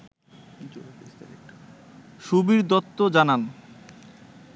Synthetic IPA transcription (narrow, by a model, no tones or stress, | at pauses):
isa | ʃubiɾd̪ɔt̪ːod͡ʑanan